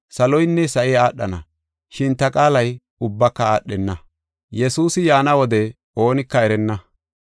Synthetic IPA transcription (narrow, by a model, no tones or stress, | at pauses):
sɐlɔjnːɛsɐʔɪjaːɗːɐnɐ̰ | ʃɪnt̪ɐkʼaːlɐj | ʊbːɐkːɐaːɗːɛnːɐ | jɛsuːsɪjaːnɐwɔd̪ɛ | o̞ːnɪkːɐɛɾɛnːɐ